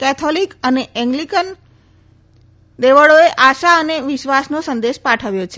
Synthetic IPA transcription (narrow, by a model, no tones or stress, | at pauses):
kɛt̪ʰolikəneɛ̃ŋɡlikən | d̪eʋəɭoeʔaʃaəneʋɪʃʋasnosənd̪eʃpaʈʰəʋjot͡ʃʰe